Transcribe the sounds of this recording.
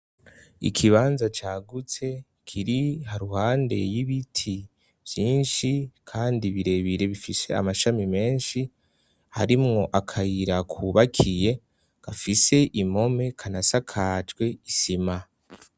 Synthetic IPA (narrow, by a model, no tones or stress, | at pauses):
ḭkʰiβaːnzat͡ʃaːɡut͡se̞ | kʰiɾihaɾuhaːnde̞̰jiβitʰi | vjiːnʃikʰaːndiβiɾe̞βiɾe̞βifise̞a̰maʃamime̞ːnʃi | ha̰ɾimŋo̞ʔakʰajiɾakʰuβakʰije̞ | ɡ̥afise̞ʔimo̞me̞kʰanasakʰaːt͡ʃɡwe̞isima